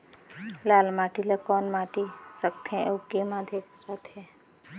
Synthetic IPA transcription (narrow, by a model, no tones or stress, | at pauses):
laːlmaːʈilakɔːnmaːʈisək̚t̪ʰɛ̃ʔoːkemãːd̪ʱekɾat̪ʰɛ